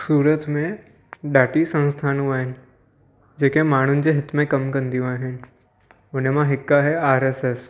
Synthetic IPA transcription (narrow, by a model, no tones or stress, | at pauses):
suːɾət̪mẽ | ɖaːʈisɐ̃nst̪ʰaːnũaːɦɪnɪ̆ | d͡ʑeːkemaːɳ̤ʊnɪ̆d͡ʑeːɦɪt̪mẽkɐmkɐ̃nd̪ijũaːɦɪnɪ̆ | ʊnemãɦɪkːaɦɛaːɾɛːsɛs